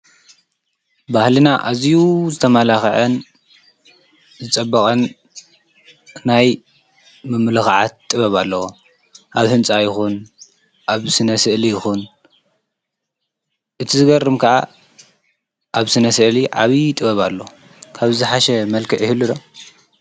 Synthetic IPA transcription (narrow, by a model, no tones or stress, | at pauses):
bahlinaʔazjuzɨt̪ʰɐmalaxʕɐn | zɨt͡sʼɐbːɐkʼɐn | naj | mɨmlɨxʕa̰t̪̚ʼːɨβɐβalːɐwo | ʔaβhɨnt͡sʼajɪxun | ʔaβsɨnɐsɨʔlijɪxun | ʔɨt̪ʰizɨɡɐrːɨmkʰɐʔa | ʔaβsɨnɐsɨʔliʕa̰βit̪ʼɨβɐβalːo | kʰaβzɨħaʃɛmɐlkʰɨʕɪhɨlːud̪o